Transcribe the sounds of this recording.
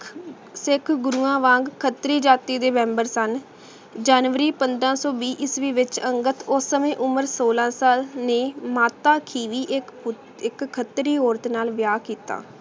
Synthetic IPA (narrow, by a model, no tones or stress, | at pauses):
sɪkʰɡɾuːãːʋãːŋɡkʰːət̪ɾiːd͡ʒaːt̪iːd̪eːmɛ̃ːmbəɾsən | d͡ʒaːnʋəɾiːpənd̪ɾãːsɔːbiːʔɪsʋiːʋɪt͡ʃəŋɡət̪ʊsəmẽːʔʊməɾsoːlãːsaːlneːmaːt̪aːkʰiːʋiːʔ | ɪkʰːət̪ɾiːoːɾt̪naːlʋjaːkiːt̪a̰ː